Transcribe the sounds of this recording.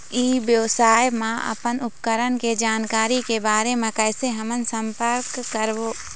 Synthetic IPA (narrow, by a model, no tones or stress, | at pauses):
iːbjəwsaːjmãə̰pənʊpkəɾənked͡ʒaːnkaːɾikebaːɾemẽkɛːɪseɦəmənsə̃mpəɾkːəɾboː